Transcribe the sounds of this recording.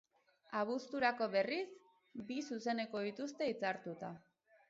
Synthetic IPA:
aβ̞ust̪uɾako̞βe̞ris | bisuse̞ne̞ko̞ðit̪ust̪e̞it͡saɾt̪ut̪a

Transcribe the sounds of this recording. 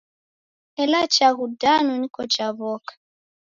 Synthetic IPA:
ɛlat͡ʃaɣudanɔnikɔt͡ʃaβɔkḁ

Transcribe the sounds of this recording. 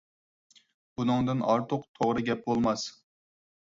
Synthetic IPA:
b̥unɨŋd̪ɨnɑɾt̪ʰʊqt̪ʰoʁɾɨɡʲɛp̚bolˠmɑs

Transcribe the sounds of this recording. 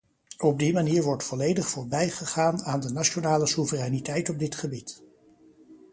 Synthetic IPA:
ɔb̚dimaniːɹʋɔɹtfɔlejdəχfʊːɹbɛjχəχaːnaːndənaʃonaːləsuvərɛjnitɛjtɔb̚dɪtχəbit

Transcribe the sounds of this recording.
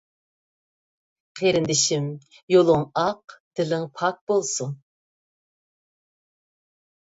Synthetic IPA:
qʰeɾɪnd̪ɪʃimjolˠʊŋɑqd̪̥ɪlɪŋpʰɑk̚bolˠsun

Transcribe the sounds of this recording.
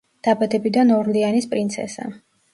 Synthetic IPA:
d̪̥abad̪ɛbid̪anɔɾlianispʼɾint̪sʰɛ̰sa̰

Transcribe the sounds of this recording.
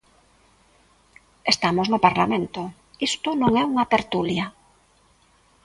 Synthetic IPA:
est̪amoznʊpaɾlamẽnt̪ʊ | ist̪ʊnõŋɛuŋɐt̪eɾt̪ulja

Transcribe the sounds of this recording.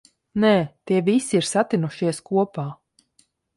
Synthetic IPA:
nɛːt̪iɛvisiiɾsat̪inuʃiɛskuɔpaː

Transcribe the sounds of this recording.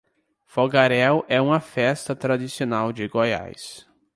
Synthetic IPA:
foɡaɾɛwʔɛũmɐfɛst̪ɐt̪ɾadisionawd͡ʒɪɡoja̰js

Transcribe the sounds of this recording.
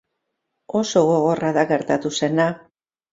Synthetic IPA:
o̞soɣo̞ɣo̞raðaɣe̞ɾt̪at̪use̞na

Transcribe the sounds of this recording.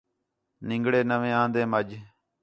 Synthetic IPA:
nɪ̃ŋɡɽeːnəʋẽːãːnd̪eːməd͡ʒ

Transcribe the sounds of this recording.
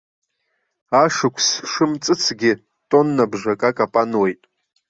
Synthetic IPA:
aʂɨkʷʰsʂɨmt͡sʼɨt͡sʰɡʲɪ | tʼo̞nːabʐakʼakʼapʼanwe̞jtʼ

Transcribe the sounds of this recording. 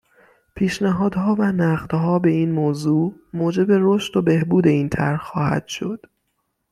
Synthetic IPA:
pʰiːʃnæɦɒːd̪ɦɒːvænæɢd̪̥ɦɒːbe̞iːnmoːzuːmoːd͡ʒe̞be̞ɾoʃt̪obe̞hbuːd̪e̞iːnt̪ʰæ̰ɾhxɒːhæ̰d̪̥ʃo̞d̪̥

